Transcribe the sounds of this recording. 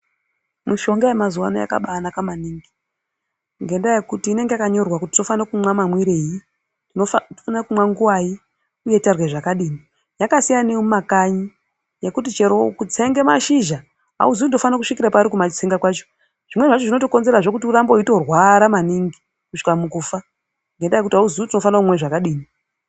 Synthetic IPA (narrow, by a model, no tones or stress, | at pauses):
muʃo̞ŋɡaemazuwa̰noja̰ka̰ɓanakamaniːŋɡi | ŋɡe̞ndaje̞kutiːne̞ŋɡeakaɲo̞rwakutitno̞fanakumwamamwiɾe̞ji | tinonakumwaŋɡuwaji | uje̞tarweʐakaɗiːni | jakasijaneumakaɲi | je̞kutit͡ʃe̞ɾo̞kut͡seŋɡe̞maʃiʒa | ɦa̰uziudo̞fanakuʂikiɾapaɾikumat͡ʃt͡siŋɡakwat͡ʃo | ʐ̥imwe̞ʐat͡ʃo̞ʐino̞toko̞nze̞ɾaʐo̞kutiurambo̞ito̞rwaɾamaniŋɡi | kuʂi̥kamukuːfa | ŋɡe̞ndajekutiɦauzuutino̞fanaumwe̞ʐakaɗiːni